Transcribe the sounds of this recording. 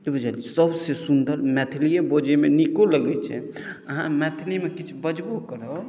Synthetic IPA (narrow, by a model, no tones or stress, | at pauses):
ibud͡ʒalisəbʱsesund̪əɾmɛt̪ʰlijebod͡ʒemenikoləɡɛt͡ʃʰɛ̰ | əɦã̰mɛt̪ʰlimekit͡ʃʰbəd͡ʒbokəɾə